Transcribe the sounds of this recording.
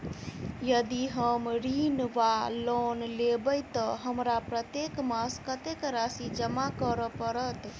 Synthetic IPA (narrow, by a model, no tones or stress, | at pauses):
jəd̪iɦəmɾinʋalonlebəjt̪ɔɦəmɾapɾət̪jekmaskət̪ekɾasid͡ʒəmakəɾəpəɾət̪